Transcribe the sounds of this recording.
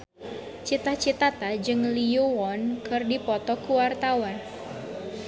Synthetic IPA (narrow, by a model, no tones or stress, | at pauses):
t͡ʃit̪aht͡ʃit̪at̪ad͡ʒɨŋliuwɔnkɨrdipɔt̪ɔkuwart̪awan